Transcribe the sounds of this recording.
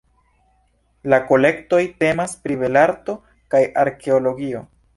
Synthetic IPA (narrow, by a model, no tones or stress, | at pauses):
lako̞le̞kto̞jte̞maspɾibe̞laɾto̞ | kajʔaɾke̞olo̞ɡio̞